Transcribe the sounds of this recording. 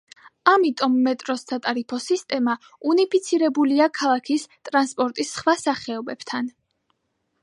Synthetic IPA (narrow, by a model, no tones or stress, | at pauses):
amit̪ʼɔmːɛt̪ʼɾɔssʰat̪ʼaɾipʰɔsist̪ʼɛma | unipʰit̪sʰiɾɛbuliakʰalˠakʰist̪ʼɾanspʼɔɾt̪ʼisχwasaχɛɔbɛbt̪ʰan